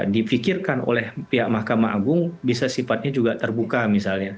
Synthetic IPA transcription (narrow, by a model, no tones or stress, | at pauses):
difikirkano̰lɛhpiɦaʔmahkamaʔaɡʊŋbis̬asifat̪̚ɲad͡ʒuɡat̪ərbukamisalɲa